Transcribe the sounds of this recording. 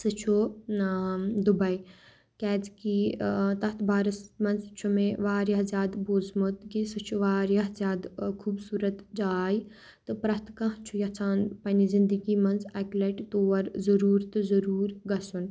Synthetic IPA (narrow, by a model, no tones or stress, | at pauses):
sɨt͡ʃʰo | d̪ubɐj | kɛːd͡zkit̪ɐt̪ʰbaːɾɨsmɐnzt͡ʃʰumẽʋaːɾjɐɦzʲjaːd̪boːzmut̪kisɨt͡ʃʰuʋaːɾjɐɦzjaːd̪kʰuːbsuːɾɐt̪d͡ʒaːj | t̪ɨpɾɐst̪kɐ̃ɦt͡ʃʰujɐt͡sʰaːnpɐnizind̪əɡimɐnzɐklɐʈt̪oːʋɐɾzɐɾuːɾt̪ɨzɐɾuːɾɡɐsun